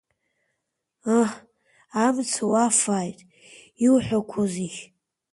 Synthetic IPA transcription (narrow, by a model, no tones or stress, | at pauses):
ah | amt͡sʰawafaːjtʼ | iwħʷakʷʰozixʲ